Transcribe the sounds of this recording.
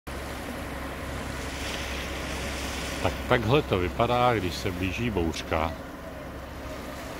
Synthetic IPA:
t̪akt̪aɡɦlɛt̪o̞vɪpadaːɡdɪʃsɛbliːʒiːbowr̥ka

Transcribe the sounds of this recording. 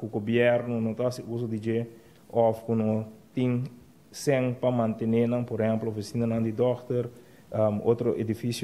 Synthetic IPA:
kuɡobjɛɾnunõt̪asius̬od̪id͡ʒe | ɔfkunõt̪ĩŋ | sẽŋpɐmãnt̪enenɐ̃ŋpoɾhɛ̃mploofisinɐnãŋd̪id̪ɔkt̪oɾ | amot̪ɾoʔed̪ifisjo

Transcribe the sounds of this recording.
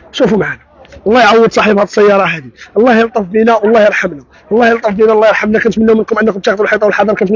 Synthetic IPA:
ʃufumʕanæ | ʔɑlˤːɑjʕawːəd̪sˤɑħibhæd̪əsˤːəjːɑɾˤɑɦæd̪iʔɑlˤːɑhjəlt̪ˤəfbinæwlˤːɑhjəɾˤħamnæ | wəlˤːɑjəlt̪ˤəfbinælˤːɑjəɾˤħamnækænt̪mənːæwmənkʊmʔənːækʊmbt̪ɑɣt̪ˤwlħɑjt̪ˤɑwəlħɑd̪ˤɑɾˤkænt̪

